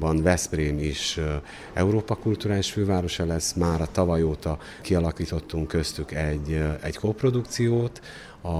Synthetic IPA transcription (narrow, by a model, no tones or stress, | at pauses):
bɒnvɛspreːmiʃ | ɛ̰uɾoːpɒkult̪uɾaːliʃføːvaːɾo̞ʃɒlɛsːmaːɾɒt̪ɒvɒjoːt̪ɒ | kiɒlɒkiːt̪o̞t̪ːuŋkːø̞st̪ykɛɟːɛ̰ɟkoːpro̞d̪ukt̪sijoːt̪ | ɒ